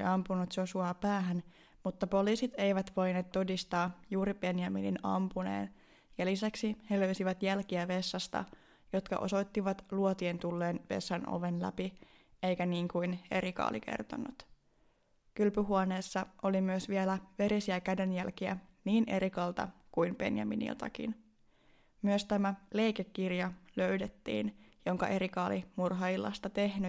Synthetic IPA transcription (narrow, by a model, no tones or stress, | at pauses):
iɑmpunut̪josuɑpæːɦæn | mut̪ːɑpo̞liːsit̪e̞jʋæt̪ʋo̞jne̞ːt̪ːo̞dist̪ɑːjuːɾib̥e̞njɑmḭlḭnɑ̰mpune̞̰ːn | jɑlisæksiheløysiʋæt̪jælkiæʋe̞sːɑst̪ɑ̰ | jo̞t̪kɑ̰ʔo̞̰so̞jt̪ːiʋɑt̪luot̪ient̪ulːe̞ːnʋe̞̰sːɑno̰ʋenlæ̰pi | ejkæniːŋkujne̞̰ɾikɑ̰ːlḭke̞̰rt̪o̰nːut̪ | kylpyɦuone̞ːsːɑʔo̞limyøsʋie̞læʋe̞ɾisiækæde̞njælkiæ̰niːnʔe̞ɾikɑlt̪ɑ̰kujmb̥e̞̰njɑ̰mḭnḭlt̪ɑ̰kḭn | myøst̪æmæle̞jkekːirjɑlø̞ɥdet̪ːḭːnjo̞ŋkɑ̰ʔe̞ɾikɑːlimurɦɑilːɑ̰st̪ɑt̪e̞hny